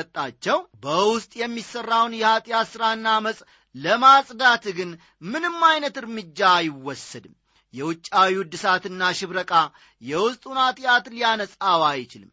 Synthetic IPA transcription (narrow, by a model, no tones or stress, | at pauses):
ət̪ʼːat͡ʃːɛwbəwʊst̪ʼjɛmːisərːawnjɛhat̪ʼɪjasɨɾaɨnːaməsʼ | ləmasʼd̪at̪ɡɨn | mɨnɨmːajnət̪ɨɾmɨd͡ʒːajɪwːɔsːəd̪ɨm | jɛwʊt͡ʃʼːawiwʊd̪ɨsat̪ɨnːaʃɪβɾəkʼa | jɛwʊst̪ʼunat̪ʼjat̪lijanəsʼawajɪt͡ʃɪlɨm